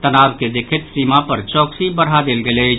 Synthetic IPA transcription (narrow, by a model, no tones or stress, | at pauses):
t̪ənaːʋked̪ekʰɪt̪siːmapɐɾt͡ʃɔːksibəɽ̤ad̪elɡeleː